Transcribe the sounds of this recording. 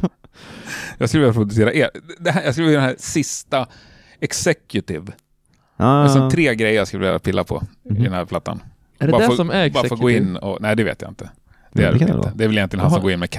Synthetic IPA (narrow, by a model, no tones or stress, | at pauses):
jɑːɡskɵlvɛjapʰɾʊd̪ɵseːɾaʔeːɾd̪ɛɦæjɑskɵliːd̪ɛnɦæːɾsɪst̪a | ɛksɛkjʊt̪ɪv | sɔmtt̪ʰɾeːɡɾɛjəjɑskɵləvɛ̰ɾa̰pʰɪlːapʰɔ̰ɪd̪ɛnæːɾpʰlat̪ːa̰n | ɑɾbɑːɾafoːɡoːɪnːɔ̰næɪd̪ɛvḛːt̪ja̰ɪ̰nt̪ə | d̪ɛæ̰ɾ̰nəd̪ɛvɪljɛnɪənhansɔmɡoːɪnmɛkʰ